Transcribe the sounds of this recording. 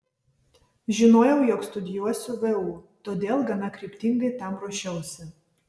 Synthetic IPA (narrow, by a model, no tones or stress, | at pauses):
ʒʲɪnoːjɛʊjɔːkst̪ʊd̪ʲɪjuɔsʲʊʋɛuːt̪oːd̪ʲeːlˠɡɐnɐkɾʲɪːpʲt̪ʲɪŋɡɐɪt̪ɐmɾuːʃʲɛʊsʲɪ